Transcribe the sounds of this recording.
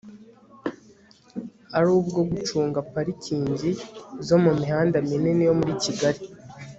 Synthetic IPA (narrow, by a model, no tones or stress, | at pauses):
aɾuːbɡo̞ɡut͡ʃuːŋɡapaɾicʰiːɲzizo̞mumihaːndaminenijo̞muɾiciɡaɾi